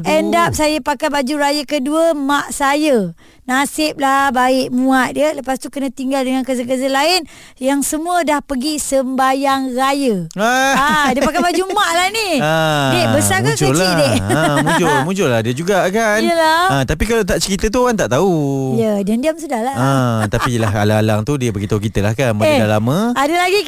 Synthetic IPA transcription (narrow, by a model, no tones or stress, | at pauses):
əndap̚sajəpakajbad͡ʒuɾajəkəduəmaʔsajə | nasɪp̚labaɪʔmũaʔ̪̚diələpast̪ukənãt̪iŋɡaldəŋankəzaɡəzəlaɪn | jaŋsəmũədahpəɡisəmbajaŋrajəaadiəpakajbad͡ʒumaʔlahniədebəsakd͡ʒladeəmud͡ʒʊmũd͡ʒʊlahdiəd͡ʒuɡakanjəlaət̪apikalat̪aʔt͡ʃəɾit̪ət̪̬uoaŋt̪aʔt̪aujədandiamsudahlaət̪apilaɦa̰laːlaŋt̪udiəpəɡit̪aukit̪əlahkanbaedalamə̃adalaɡi